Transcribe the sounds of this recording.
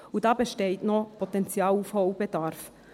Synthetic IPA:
udɑːbəʃteɪtnɔpʰɔtɛnt͡sjɑːlufhɔʊb̥edɑɾf

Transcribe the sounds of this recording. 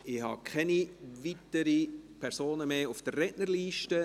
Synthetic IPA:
ɪhɑ̰ːkʰɛniʋitəɾipʰɛɾsoːnəmeːufd̥ərːɛnəɾliːʃtə

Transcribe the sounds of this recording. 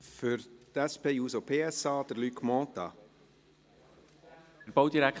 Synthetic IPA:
fʏɾt̪æspʰeːjuːsopʰeːɛsɑːd̪̥əɾlykmɔ̃ːt̪ɑ̰ | ɾbowd̪iɾæk

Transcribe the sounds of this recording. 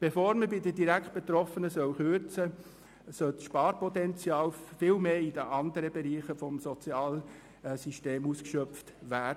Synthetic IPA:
b̥efoːɾməbidədiɾækχt̚b̥et̪ɾɔfənəsœwχøɾt͡sə | sœltsʃpɑːɾpɔt̪ɛnt͡sjɑːlfɪlmeːid̥əʔɑnd̪əɾəbeɾiːχəfɔmsɔt͡sjɑːl | siʃteːmuːskʃœpftʋæːd

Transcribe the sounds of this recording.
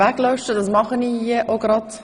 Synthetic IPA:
ɛklœʏʃtədɑsmɑχəniiəʔoɡɾɑt

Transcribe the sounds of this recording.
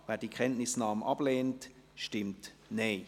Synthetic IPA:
vɛːd̥iəkʰχɛntnɪsnɑːmɑb̥leːnt | ʃtɪmtneː

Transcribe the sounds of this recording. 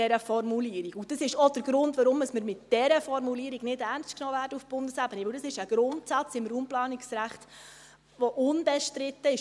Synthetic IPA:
ɛɾəfɔɾmuliəɾiɡʊd̥ɑsɪʃɔd̥əɾɡ̥ɾʊndʋaɾʊməsməɾmɪtd̥ɛɾəfɔɾmuliəɾiɡ̥nɪdɛrnstknɔːvæːɾdəufb̥ʊndəsæbəniʋɪld̥ɑsɪʃəɡ̥ɾʊntsat͡sɪmɾuːmplɑːniksɾæχt | ʋɔʔʊnbɛʃtɾɪtːəɪʃ

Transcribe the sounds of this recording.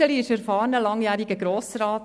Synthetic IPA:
əliɪʃæɾfɑːɾnəlɑŋjæːɾiɡəɡɾoːsɾɑːt

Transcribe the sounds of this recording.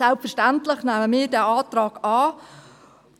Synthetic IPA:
ɛlpfəʃtantlɪχnæːməmɪːdɛaːtrɑːɡ̥aː

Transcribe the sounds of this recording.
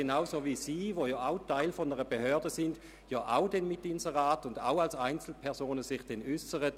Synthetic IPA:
enaʊsovisiːʋojɑːaʊtaɪlfɔndəʁəbehøːɐdəsɪnd | jɑːʔaʊdɛnmɪtːɪnsəʁaːtʊnda̰ʊalsaɪnt͡sl̩pʰɛɐsoːnəsɪχd̥ɛnʏsəʁət

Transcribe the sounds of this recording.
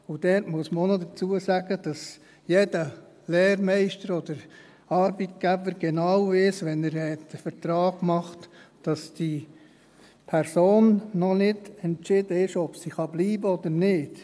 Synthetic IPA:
ʊd̥ɛɾtmuəsməonodət͡suəsæɡ̥əd̥ɑs | jedə | lɛːɾmɛɪʃtəɾɔd̥̪əɾ | ɑɾbitɡ̥æbəɾɡ̥ɛnɑwʋɪːsʋɛnəɾhɛtəfəɾt̪ɾɑːɡ̥mɑχtd̥ɑsd̥i | pʰɛɾsoːnːɔnɪdɛnt͡ʃɪdəɪʃɔb̥siχɑbliːbəɔd̪əɾnɪːd̥

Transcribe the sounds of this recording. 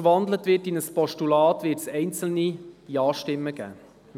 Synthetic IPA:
vɑndlətvɪtinəspɔʃtulɑːtvɪːtsɛɪnt͡sl̩ni̥iɑːʃtɪmːəɡ̥æ̰ː | m

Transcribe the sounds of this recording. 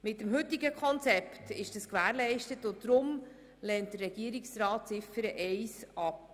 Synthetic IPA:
mɪtəmɦɵtːiɡəkʰɔnt͡sɛptɪʃd̥əskʋæːɾlɛɪʃtətʊtːɾʊm | lɛːnt̚d̥ərːɛɡ̥iəɾiksɾɑːt̚t͡sɪfəɾəʔɛɪsɑp

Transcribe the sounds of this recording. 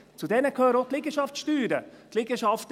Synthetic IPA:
t͡sudɛnəkʰøːɾəoklɪɡəʃɑft͡sʃtyːɾəklɪɡəʃɑft

